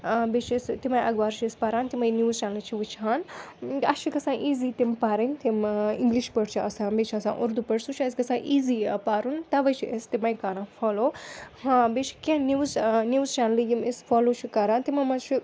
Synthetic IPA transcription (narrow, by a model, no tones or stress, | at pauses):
bet͡ʃʰst̪imajʔɐɡʋaːɾt͡ʃʰiispaɾaːnt̪imɐjnjuːzt͡ʃaːnlit͡ʃʰiʋɨt͡ʃʰɦaːnɐʃʰikɐsãːʔiːziːt̪impaːɾɐnʲt̪imĩŋɡliʃpɐɽt͡ʃʰiɐsãːbet͡ʃʰɐsã̰ːʔuɾd̪upɐɽsut͡ʃʰɐskɐsãːʔiːzipaːɾunt̪ɐʋɐt͡ʃʰiʔest̪imɐjkaɾãːfoːloːhãːbet͡ʃʰi̥kʲẽniwznuːzt͡ʃaːnlijimisfoːloːt͡ʃʰikaɾaːnt̪imɐmɐt͡ʃʰi